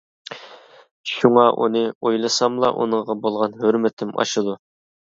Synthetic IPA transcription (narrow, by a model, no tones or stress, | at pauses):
ʃuŋɑʔṵnɨojlˠɨsɑmlˠɑ̰ʔṵnəɴʁɑbolˠʁɑnɦøɾmɪt̪ʰɪmɑ̰ʃɨd̪u